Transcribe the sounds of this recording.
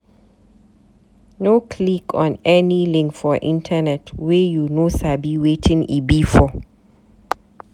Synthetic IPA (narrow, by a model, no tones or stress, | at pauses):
nokʰlikʰɔ̃nɛnilɪ̃ŋkfɔʔḭ̃ntʰanɛtʰwejunosabiwetʰĩŋibifɔ